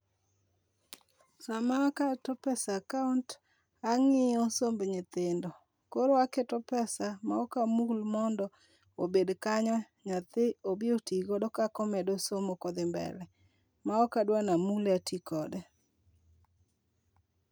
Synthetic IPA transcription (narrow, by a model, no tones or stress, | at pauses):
samakatɔpɛsakaunt | aŋɪɔsombɲɪt̪ɪndɔ | koɾoaketɔpɛsamaɔkamulmɔndɔ | obedkaɲɔ | ɲat̪ɪobiotiɡɔdɔkakɔmɛdosomokɔd̪ɪmbɛ̰ɾɛ | maɔkadwanamulatʰikɔdɛ